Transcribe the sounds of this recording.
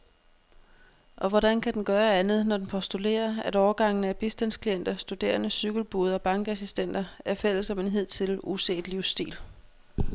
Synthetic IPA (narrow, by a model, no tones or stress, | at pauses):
ʔɒ̽ʋɒɾænkʰæd̥enɡ̥ɶːɐænð̞̩ˠnɒd̥enpʰɒ̽sd̥ule̝̰ːɐæɾɒʊːɐɡ̥ɑ̈ŋ̰n̩əæb̥isd̥ænskʰlien̰d̥ɐsd̥ud̥e̝̰ːɐnəsyɡ̥l̩b̥ouːð̞ˠɒ̽b̥ɑ̈ŋɡ̥æsisd̥en̰d̥ɐæɐfel̰əsɒ̽me̝nɦe̝ð̰ˠt͡sʰe̝luse̝̰ːd̥liʊsd̥ḭːl